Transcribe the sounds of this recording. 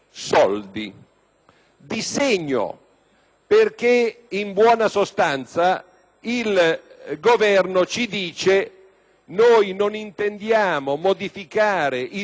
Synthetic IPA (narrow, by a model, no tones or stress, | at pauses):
sɔld̪ḭ | d̪isɛɲːo̰ | perk̟eimbwɔːnasost̪ant̪sa | ilɡovɛrnot͡ʃid̪iːt͡ʃe | nojnonint̪end̪jaːmomod̪ifikaːɾɪʔi